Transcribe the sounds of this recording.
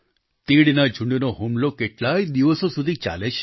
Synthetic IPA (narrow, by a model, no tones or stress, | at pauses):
t̪iɽnad͡ʒʱũɳɖnoɦumlokeʈlaid̪iʋəsosud̪ʱit͡ʃa̰leʃʰe̥